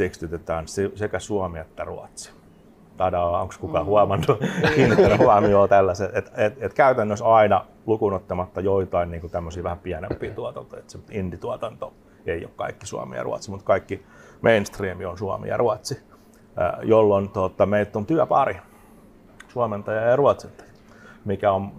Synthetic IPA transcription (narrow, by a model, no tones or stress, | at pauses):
tekst̪yt̪et̪æːnsisekæsuɑmiet̪ːæruɑt̪si̥ | t̪ɑdɑɑo̰ŋkskukɑhuɑmɑnːukinːitːænhuɑmioːt̪ælːæset̪et̪et̪et̪kæyt̪ænːøsɑinɑ | lukunot̪ːɑmɑt̪ːɑjoit̪ɑinniːŋkut̪æmːøsiːʋæhæmpiænempˑiːt̪uɑt̪ɑnt̪oiet̪semindit̪uɑt̪ɑnt̪o | eio̰kkɑ̰ikːi̥sṵɑ̰mḭjɑ̰rṵɑ̰t̪simut̪kɑikːi | mʔeinst̪riːmionsuɑ̰mḭjɑ̰ruɑt̪sḭ | jolːont̪ot̪ɑmeilt̪ːont̪yæpɑ̰ri | suɑment̪ɑjɑjɑruɑt̪sint̪ɑ̥j | mikæon